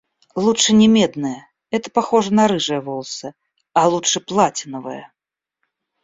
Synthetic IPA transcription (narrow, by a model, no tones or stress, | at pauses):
lˠutʂɨnʲɛmʲɛd̪nɐjɐ | ɛt̪ɐpaxɔʐɐnɐɾɨʐɐjɐvɔlˠsɐ | ɐlˠutʂɨplˠat͡sʲɪnɐvɐjɐ̰